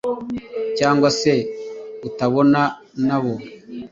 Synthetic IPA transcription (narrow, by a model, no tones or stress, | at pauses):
caːŋɡwase̞utaβo̞na | naβo